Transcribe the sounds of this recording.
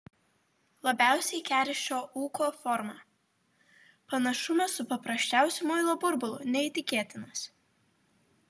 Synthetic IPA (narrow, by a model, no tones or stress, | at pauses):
lˠɐbʲæˑʊsʲɛɪkʲæːɾʲɪʃʲt͡ʃʲoːuːkoːfɔɾmɑː | pɐnɐʃʊmʲɛsʊpɐpɾɐsʲt͡ʃʲæˑʊsʲʊmɔɪlˠoːbʊɾbʊlˠʊnʲɛɪt̪ʲɪkʲeːt̪ʲɪnɐs